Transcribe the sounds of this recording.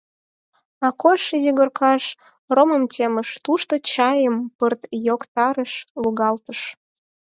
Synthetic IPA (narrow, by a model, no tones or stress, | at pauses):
ɑkoʃəjiɣərkʰɑʃ | roməmt͡ɕʲeməʃt̪uʃt̪ot͡ɕɑjəmpərt̪jokt̪ɑɾəʃluɣɑlt̪əʃ